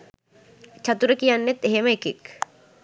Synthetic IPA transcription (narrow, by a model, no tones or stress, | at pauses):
t͡ʃat̪uɾəkijanːet̪ːeɦeməekik